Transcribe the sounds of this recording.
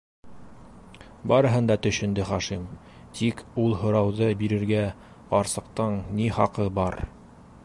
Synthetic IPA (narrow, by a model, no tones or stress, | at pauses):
bɑɾɤ̆ɦɤnd̪ɑt̪ɵ̆ʃɘ̆nd̪ɘχɑʃim | t̪ikulˠɦŏɾɑwðɤbiɾɘ̆ɾɡæ | qɑɾsɤ̆qt̪ɤɴniχɑqɤbɑɾ